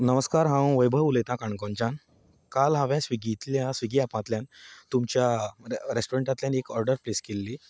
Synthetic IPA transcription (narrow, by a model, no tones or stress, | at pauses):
nəməskaɾɦãw̃ʋəjbʱəulet̪ãkaɳkɔ̃ɲt͡ɕan | kalɦaʋjãsʋiɡit̪ljasʋiɡiapãt̪ljant̪umt͡ɕjaɾesʈoɾeɳʈat̪ljanekɔɾɖəɾpleskelːi